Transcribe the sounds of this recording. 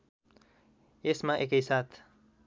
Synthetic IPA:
esmãʔekəjsat̪ʰ

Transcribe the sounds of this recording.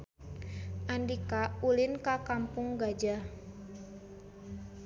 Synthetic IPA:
ʔandikaulɪnkakampʊŋɡad͡ʒa

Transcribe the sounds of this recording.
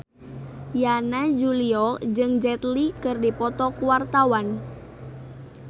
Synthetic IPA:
janad͡ʒuliɔd͡ʒɨŋd͡ʒɛt̪likɨrdipɔt̪ɔkuwart̪awan

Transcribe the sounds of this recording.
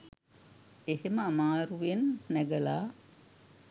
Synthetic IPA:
eheməamaːɾuʋenːæɡəlaː

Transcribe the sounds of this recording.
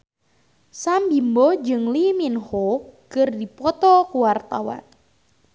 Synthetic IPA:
sambimbɔd͡ʒɨŋliminhokɨrdipɔt̪ɔkuwart̪awa̰n

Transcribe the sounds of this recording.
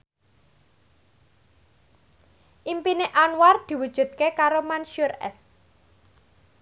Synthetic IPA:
ʔimpineʔanward̪̥i̤wud̥ʒ̥ṳt̪̚kekaɾomanʃurɛ̰s

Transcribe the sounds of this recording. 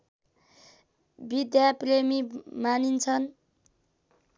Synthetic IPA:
bid̪japremimanint͡sʰʌn

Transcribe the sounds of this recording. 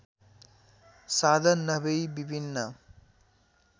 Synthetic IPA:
sad̪ʱʌnːʌbʌjbibʱinːʌ

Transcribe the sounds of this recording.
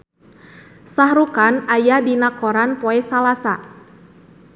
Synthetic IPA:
sahɾukanajadinakɔɾanpɔɛsalasa

